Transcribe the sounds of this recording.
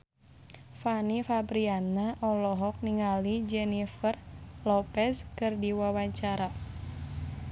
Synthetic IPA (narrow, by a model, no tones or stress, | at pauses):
fanifabɾianaʔɔlɔɦɔk̚niŋalid͡ʒɛnifərlɔpɛskɨrdiwawaɲt͡ʃaɾa